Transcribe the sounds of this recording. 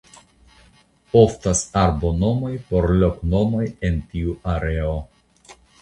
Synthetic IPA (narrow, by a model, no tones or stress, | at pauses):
o̞ftasaɾbo̞nomo̞jpo̞ɾlokno̞mo̞jentiuʔaɾeo